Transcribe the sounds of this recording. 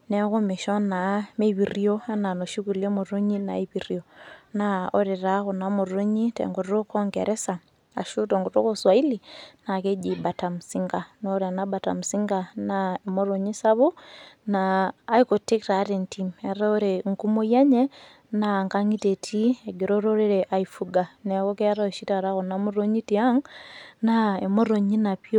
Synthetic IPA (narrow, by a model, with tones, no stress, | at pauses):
nɛ˦ko˦mi˨ʃɔ˦na˨me˦˨βi˨rjo˦a˦na˨no˨ʃu˦ku˨le˦mo˨ɾo˦ɲi˦na̰˨iβi˨rjo˨na˨o˦ɾe˨ɾa˦ko˨na˦mo˨ɾo˦ɲi˦tɛ̰˨ŋɡo˨to˦kɔ˦ŋɡɛ˨ɾɛ˦sa˨ | a̰˨ʃu˦tɔ˨ŋɡo˨to̰˦ko˦swa˨i˦li˨na˨ke˦d͡ʒi˨ba˨ta˨msi˦ŋɡa˨no˦ɾa˨na˦ba˨ta̰˨m˨si˦ŋɡa˨naemo˦ɾo˨ɲi˦sa˦βo˦naː˦iko˨ti˦kta˨˦ɾe˨ntime˨ɾa˦o˦ɾe˨ŋku˦mo˦ja˦ɲɛ˦ | naŋka˦ŋi˦te˨tʰi˦eɡe˨ɾo˦ɾo˦ɾe˦ɾeʔa˨ifuɡa˨nɛ˨ko˦ke˦a˦ɾa˨ʃi˦ta˨ɾa˦ko˨na˦mu˦ɾo˦ɲi˦ti˨a˦ŋnae˨mo˦ɾo˨ɲi˦na˨pi˦o˦